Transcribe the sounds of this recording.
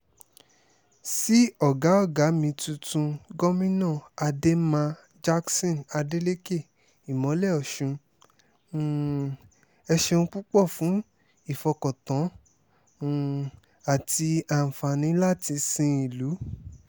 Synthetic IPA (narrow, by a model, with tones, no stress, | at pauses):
si˦ɔ˦˨ɡa˨˦ɔ˦˨ɡa˨˦mĩ˧tũ˧tũ˧ɡɔ˦mĩ˦nãː˦˨a˧de˦mã˧ | d͡ʒa˦ksɔ̃˦˨na˧de˦le˦ke˦˨ | i˨mɔ̃˨˦lɛ˦˨ɔ˨ʃũ˧˦˨ | ɛ˧ʃe˧ũ˧k͡pu˦k͡pɔ˦˨fũ˨˦ | i˦˨fɔ˧kɔ˨tɔ̃˨˦˨ | a˨ti˧a˧˨fã˨nĩ˨˦la˦ti˧sĩ˧˦i˨lu˨˦